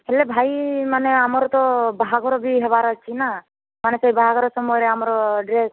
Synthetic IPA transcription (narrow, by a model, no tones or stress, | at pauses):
ɦelebʱajmaneamɔɾɔt̪ɔbaɦaɡʱɔɾɔbiɦɛβaɾɔt͡ʃʰina | manesɔjbaɦaɡʱɔɾɔsɔmɔjɾeamɔɾɔɖɾes